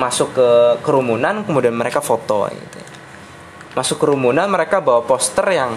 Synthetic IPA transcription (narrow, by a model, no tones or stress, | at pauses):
masʊkːəkəɾumunankəmudianməɾekafot̪ɔ̰ɡḭt̪uja | masʊkːəɾumunanməɾekabawapɔst̪ərjaŋ